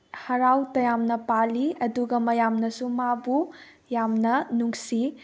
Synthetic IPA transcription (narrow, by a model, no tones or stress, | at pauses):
hɐɾawtɐjamnɐpaliɐduɡɐmɐjamnɐsumabu | jamnɐnuŋsi